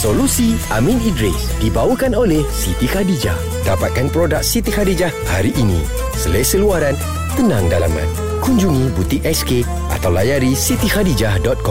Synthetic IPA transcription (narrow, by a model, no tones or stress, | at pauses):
solusi | a̰mĩnidɾḭsdibawəkanolɛhsit̪ixadid͡ʒa̰h | dapat̪̚kanpɾodak̚sit̪ihadid͡ʒahha̰ɾiʔːnḭ̃ | səlesəluaɾan | t̪ənãŋdala̰mã̰n | kuɲd͡ʒuŋĩbut̪iʔɛske | ʔa̰t̪awlajaɾisit̪ihadid͡ʒahdɔt̪̚kɔm